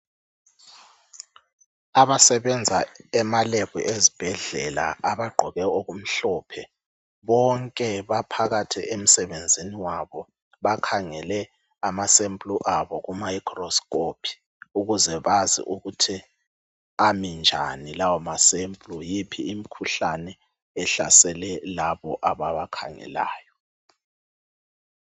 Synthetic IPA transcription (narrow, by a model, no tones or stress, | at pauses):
aβasɛβɛnd͡zʱaɛmaleɣḭʔezib̥ʱɛɮɛla̰aβaɡ͡ǃʱɔɣɛoɣum̩ɬɔːpʰɛ | βɔŋkʼɛβapʰaɣatʰɛʔem̩sɛβend͡zʱiniwaβɔ | βakʰaŋɛlɛ | amasempʼluʔaβɔɣumaikʰrɔskʼopʰi̥ | uɣuzɛβazḭʔuɣutʰi | amind͡ʒʱa̰nilawɔmasempʼlujipʰiːmikʰuɬanɛ | ɛɬa̰sɛlɛlaβɔ̰ʔaβaβakʰa̰ŋɛ̰la̰ːjɔ